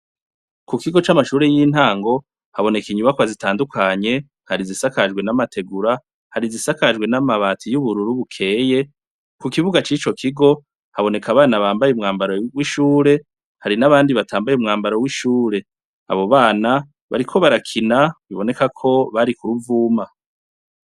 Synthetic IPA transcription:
kukiɡo̞t͡ʃamaʃuːɾejiːn̥haːŋɡo̞ | haβo̞ne̞kiɲumakoβazitaːndukʰaɲe̞ | haɾizisakad͡ʒɡwe̞namate̞ɡuɾa | haɾizisakaʒɡwe̞namaβatʰijuβuɾuɾuβukʰe̞ːje̞ | kukiβuɡat͡ʃiːt͡ʃo̞kʰiɡo̞ | haβo̞ne̞kʰaβaːnaβaːmbajeumŋaːmbaɾowiʃuːɾe̞ | haɾinaβaːndiβatʰaːmbajumŋaːmbaɾowiʃuːɾe̞ | a̰βo̞βaːna | βa̰ɾikʰo̞βaɾakʰinaβiβo̞ne̞kakʰo̞βaɾikuɾuvuːma

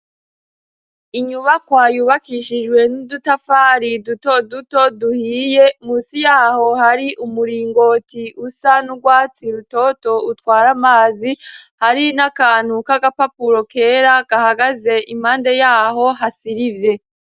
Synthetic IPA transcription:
iɲuβakwajuːβakiʃid͡ʒɡwe̞nudutafaːɾidutoduto̞duhiːje̞muːsijaːho̞haɾiʔumuɾiːŋɡo̞ːtiʔusanuɡwaːt͡siɾuto̞to̞utkwaːɾamaːzihaɾinakaːn̥hukaɡapapuɾo̞kʰe̞ːɾaɡahaɡaze̞ʔim̥haːnde̞jaːɦo̞ɦasiɾivje̞

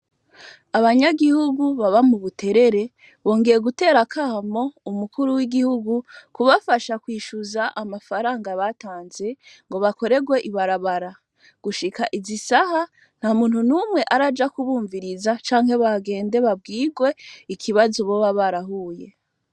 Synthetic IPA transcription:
aβaɲaɡihuɡuβaβamuβutʰe̞ɾe̞ɾe̞ | βo̞ːŋɡe̞ɾeɡute̞ːɾakʰaːmo̞umukʰuɾuwiɡihuɡukuβafaʃakwiːʃuzaʔamafaɾaːŋɡaβataːnze̞ŋɡo̞βako̞ɾe̞ɡwe̞ʔiβaɾaβaɾa | ɡ̥uʃikaʔizisaha | n̥hamuːn̥hunumŋe̞ʔaɾad͡ʒakuβuːɱviɾizat͡ʃaːŋhe̞βaɡe̞ːnde̞βab̚ɡiːɡwe̞ikʰiβazoβo̞βaβaɾaɦuje̞

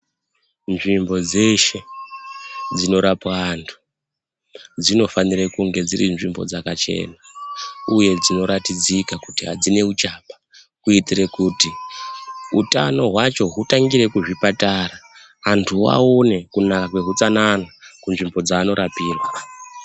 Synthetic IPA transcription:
nʐimbo̞d͡ze̞ʃe̞ | d͡zino̞ɾapaantʰu̥ | d͡zino̞fanirekuŋɡe̞d͡zirinʐimbo̞̰d͡zakat͡ʃe̞̰ːnauje̞d͡zino̞ɾatid͡zikakutiɦad͡zine̞ut͡ʃaːpḁ | kuitire̞kuti | uta̰no̞ɦwat͡ʃo̞ɦutaŋɡiɾe̞kuʐipatara | antʰuwa̰o̞ne̞kunakakwe̞ɦut͡sananakunʐimbo̞d͡zaːno̞ɾapiːrwa

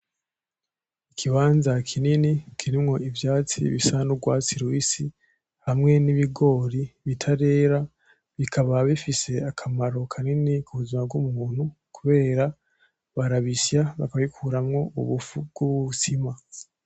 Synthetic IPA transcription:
ikʰiβaːnzakʰininikʰiɾimŋo̞ivjaːt͡sḭβisanuɡwaːt͡siɾwiːsi | hamŋe̞niβiɡo̞ːɾiβitʰaɾe̞ːɾa | βikʰaβaβifise̞akʰamaɾo̞kʰaninikʰuβuzimabɡumuːn̥ukuβe̞ːɾa | βaɾaβisjaβakaβaikʰuɾamŋo̞uβufuɡ̥uβusima

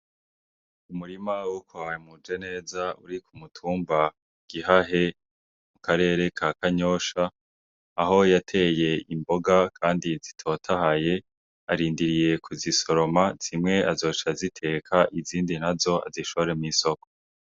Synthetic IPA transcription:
umuɾimawukʰoajemud͡ʒe̞ne̞ːzaṵɾikʰumutʰuːmba | ɡ̥iɦaɦe̞ | mukaɾe̞ːɾe̞kʰakaɲo̞ːʃaː | ɦo̞jatʰe̞je̞imbo̞ɡakʰaːndizitʰo̞tʰahaje̞ | aɾiːndiɾije̞kʰuziso̞ɾo̞maz̥imŋe̞ʔazo̞ːt͡ʃazitʰe̞kʰaʔiziːndinazo̞a̰ziʃoβoɾemŋisoko

